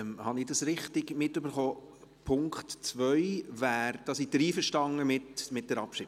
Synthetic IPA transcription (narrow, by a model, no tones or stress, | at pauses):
mhɑnɪdɑsɾɪχtɪɡmɪtːøbəɾχoː | pʰʊŋktt͡sʋœʏvæːɾd̥ɑsid̥əɾiːfəʃtɑŋəmɪtmɪt̚d̥ɛɾɑpʃɪ